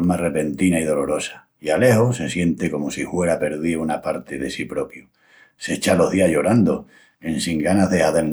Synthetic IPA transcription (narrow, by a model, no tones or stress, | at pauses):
mare̞pe̞nt̪inaið̞o̞lo̞ɾo̞sḁ | iale̞hose̞sje̞nt̪eko̞mosihwe̞ɾape̞ɾðiunapaɾt̪eðe̞sipɾo̞pju | se̞t͡ʃalo̞ɦðiaʝo̞ɾand̪o | ensiŋɡanaɦðe̞haðen